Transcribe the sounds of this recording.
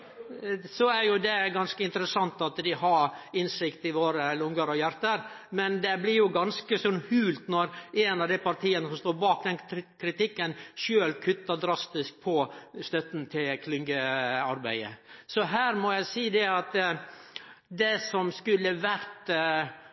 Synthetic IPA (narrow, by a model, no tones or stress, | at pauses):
sɔæɾjʊd̪ɛɡɑnskəɪnt̪əɾəsɑnt̪ɑt̪d̪ɪɦɑɾɪnsɪkt̪ɪʋoːɾəlʊŋɡəɾɔjæɾt̪əɾ | mɛnd̪ɛblɪɾjʊɡɑnskəsɔnhʉːlt̪nɔɾɛnɑʋd̪æɪpɑɾʈ̪ʰiːənəsɔmst̪oːɾbɑːk̚d̪ɛnkʰɾɪt̪ɪkːənʃøːlkʰʉt̪ːɑd̪ɾɑst̪ɪsk̚pʰɔst̪œt̪n̩t̪ʰɪlkʰlɪŋɡəɑɾbæ̰ɪə̰sɔɦæːɾmɔjæɪsiːd̪ɛɑt̪ | d̪ɛsɔmskʉlːəʋæɾt̪